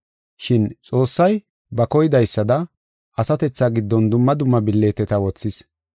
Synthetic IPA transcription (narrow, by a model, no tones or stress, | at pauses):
ʃɪnt͡sʼo̞ːsːɐj | bɐkɔjɪd̪ɐjsːɐd̪ɐ | ʔɐsɐt̪ɛt͡sːaɡɪd̪ːɔnd̪ʊmːɐd̪ʊmːɐbɪlːeːt̪ɛt̪ɐwɔt͡sːɪs